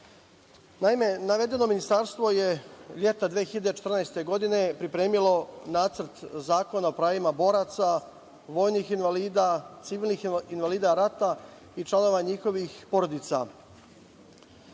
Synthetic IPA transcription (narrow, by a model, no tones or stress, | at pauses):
naime̞naʋe̞d̪e̞no̞minist̪aɾst̪ʋo̞je̞ʎe̞t̪ad̪ʋiexiʎad̪et͡ʃet̪rnajst̪e̞ɡo̞d̪ine̞pɾipɾe̞ːmilo̞naːt̪sr̩t̪zaːko̞naopɾaːʋimabo̞ɾat̪sa | ʋo̞ːjnixinʋaliːd̪at̪siʋiːlˠnixinʋaliːd̪aɾat̪a | it͡ʃlˠano̞ʋaɲixo̞ʋixpo̞ɾo̞d̪it̪sa̰